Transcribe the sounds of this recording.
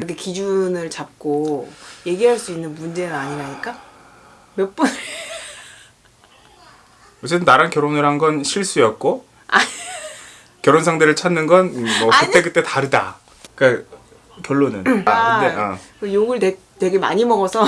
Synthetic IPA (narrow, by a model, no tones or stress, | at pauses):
kɯɾʌkʰekid͡ʑunɯɭt͡ɕap̚k͈oje̞ɡiɦaɭs͈uinːɯnmund͡ʑe̞nɯnaɲiɾaɲik͈a | mjʌp͈un | wʌt͡ɕ͈et͈ɯnːaɾankjʌɾonɯɾɦanɡʌnɕʰiɭs͈ujʌt̚k͈o | a | kjʌɾonsʰaŋdɯɾɯɭt͡ɕʰanːɯnɡʌnmʌkɯtt͈e̞kɯt͈e̞taɾɯda̰ | k͈a | kjʌɭːonɯnaɯekɯjoɡɯɭte | twe̞ɡe̞ma̰ɲimʌɡʌsʰʌ